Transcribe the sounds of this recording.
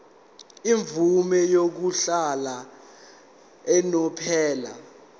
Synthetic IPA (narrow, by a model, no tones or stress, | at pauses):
iɱvumɛjok̬uɬala | ɛnɔpʰɛːla̰